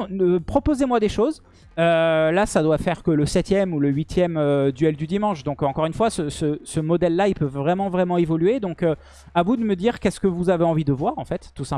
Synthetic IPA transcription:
pχɔpozemwad̪eʃoz | ølasad̪wafɛʁkələsɛt̪jɛmuləɥit̪jɛmød̪yɛld̪yd̪imɑ̃ʃd̪ɔ̃kɑ̃kɔʁynfwasəsəsəmɔd̪ɛlːailpøvvʁɛmɑ̃vʁɛmɑ̃evɔlyed̪ɔ̃kø | avud̪əməd̪iʁkʲɛskəvuzaveɑ̃vid̪əvwaʁɑ̃fɛt̪ːusɛ̃

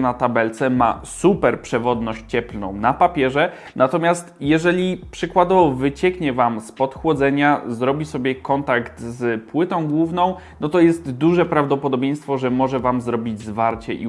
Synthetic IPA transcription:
nat̪abɛlt̪sɛma̰supɛɾpʂɛvɔd̪nɔɕt͡ɕɛplnɔ̰̃w̃napapʲjɛʐɛ | nat̪ɔmʲjast̪jɛʐɛlʲipʂɘkwad̪ɔvɔvɘt͡ɕɛkɲɛvamspɔt̪xwɔd̪zɛɲazɾɔbʲisɔbʲjɛkɔnt̪akt̪zpwɘt̪ɔ̃w̃ɡwuvnɔ̃w̃ | nɔt̪ɔjɛst̪d̪uʐɛpɾavd̪ɔpɔd̪ɔbʲej̃st̪fɔʐɛmɔʐɛvamzɾɔbʲid͡ʑzvaɾt͡ɕɛʔḭ

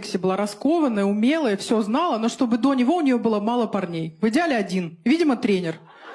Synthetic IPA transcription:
ksʲɪjəbɨlˠaɾɐsko̞vənːəjəʊmʲe̞lˠəjəfsʲo̞znɑlˠəno̞ʂt̪o̞bɨd̪o̞nʲɪvo̞ʊnʲɪjo̞bɨlˠəmalˠəpɐrnʲejvɨdʲalʲɪɐdʲinvʲidʲɪmət̪ɾʲenʲɪr

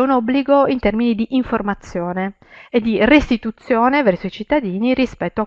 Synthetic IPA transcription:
unɔbːliɡoint̪ɛrminid̪iʔːɱformat̪sːjoːne | ed̪ːirest̪it̪ut̪sːjoːnevɛrsoit͡ʃit̪ːad̪iːniɾispɛt̪ːoa

